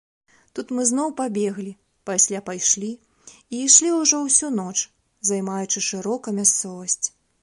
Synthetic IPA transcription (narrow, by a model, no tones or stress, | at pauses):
t̪ut̪mɨznɔwpabʲɛɣlʲi | pasʲlʲapajʂlʲi | iːʂlʲiuʐɔwsʲunɔt͡ʂ | zajmajut͡ʂɨʂɨɾɔkɐmʲast̪sɔvɐsʲt͡sʲ